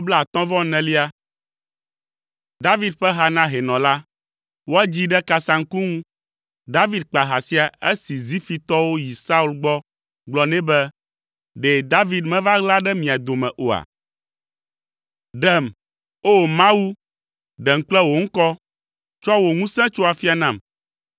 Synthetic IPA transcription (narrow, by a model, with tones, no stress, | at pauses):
o˦blɛ˦˨a˨t̪ɔ̃˦vɔ̃˦nɛ̃˨li˦a˦ | d̪a˦vi˦d̪̚ɸɛ˦ɦa˦nã˦ɦɛ˨nɔ̃˨la˦ | wo˦a˦d͡ʑi˦ɖɛ˦ka˨sã˦ŋ̩˦ku˦ŋũ˦ | d̪a˦vi˦d̪̚k͡pa˨ɦa˨si˦a˨e˦si˨zi˦fi˨t̪ɔ˦wo˦ji˨sa˦u˦lɡ͡bɔ˦ | ɡ͡blɔ˨nɛ̃˦bɛ˦ | ɖɛ˨d̪a˦vi˨d̪mɛ̃˦va˦ɣla˦ɖɛ˦mĩ˨a˨d̪o˨mɛ̃˨ʔo˨a̰˨ | ɖɛ˨m | o˦mã˦wu˦ | ɖɛ˨ŋ̩˨k͡plɛ˦wo˨ŋ̩˦kɔ˦ | t͡ʃɔ˦wo˨ŋũ˦sɛ̃˦t͡ʃo˦a˨fi˦a˨nã˦˨m